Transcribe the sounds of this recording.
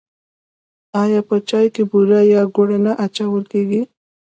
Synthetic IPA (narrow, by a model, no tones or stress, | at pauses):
ɑjɑpət͡ʃɑjkebuɾajɑɡoɽanaʔat͡ʃawəlkeɡi